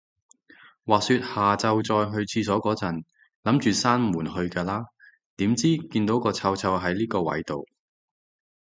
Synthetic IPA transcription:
waː˨k̚syː˧t̚haː˨t͡sɐ˧wt͡sɔː˧jɦɵ˧ɥt͡sʰiː˧sɔː˨˥kɔː˨˥t͡sɐ˨˩n | lɐ˨˥mt͡ʃyː˨saː˥nmuː˨˩nhɵ˧ɥkaː˧laː˥ | t̪iː˨˥mt͡siː˥kiː˧nt̪o˨˥wkɔː˧t͡sʰɐ˧wt͡sʰɐ˧wɦɐ˨˥jliː˥kɔː˧wɐ̰˨˥jt̪o˨w

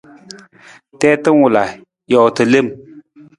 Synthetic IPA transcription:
tɛː˦tə˦nwʊ˨la˨ | jɔ˨wtɨ˨le˦˨m

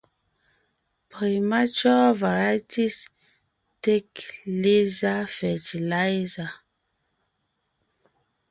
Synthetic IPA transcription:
pi˨ma˦t͡ʃɔ˦va˨ɹa˦jtʰi˦s | te˦kle˦za˦fɛ˨ti˨la˦jza˨

